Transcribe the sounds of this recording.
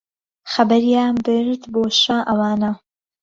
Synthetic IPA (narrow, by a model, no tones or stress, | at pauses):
xɐbɐɾijaːnbɨɾt̪boːʃaʔɐwaːnɐ